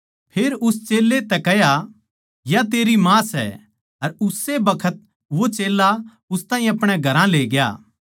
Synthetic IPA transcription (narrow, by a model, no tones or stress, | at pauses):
pʰeːɾʊst͡ʃeːlːet̪ɛkɛja | jat̪̬eːɾimãːsɛ̰ | ɐɾʊsːebɐkʰət̪̚ | ʋot͡ʃeːla | ʊst̪ãːĩɐpɽ̃eɡʱɐɾãleːɡɪja̰ː